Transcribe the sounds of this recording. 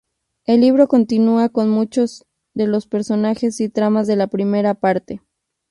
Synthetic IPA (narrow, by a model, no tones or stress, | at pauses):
e̞lːiβ̞ɾo̞ko̞nt̪inuako̞nmut͡ʃo̞z | ðe̞lo̞spe̞ɾso̞naxe̞sit̪ɾamazðe̞lapɾime̞ɾapaɾt̪e̞